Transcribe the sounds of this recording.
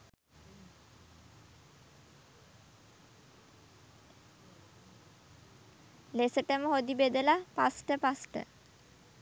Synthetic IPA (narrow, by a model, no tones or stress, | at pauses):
lesəʈəməɦod̪ibed̪əlapa̰sʈəpasʈə̰